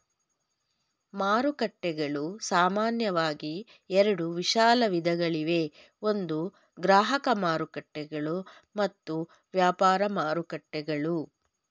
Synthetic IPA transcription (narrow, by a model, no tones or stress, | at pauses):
maːɾukɐʈːɛɡɐɭusaːmaːnjɐʋaːɡi | ɛɾɐɽuʋiʃaːlɐʋid̪ʱɐɡɐɭiʋe | o̞nd̪u | ɡɾaːɦɐkɐmaːɾukɐʈːɛɡɐɭu | mɐt̪ːu | ʋjaːpaːɾɐmaːɾukɐʈːɛɡɐɭu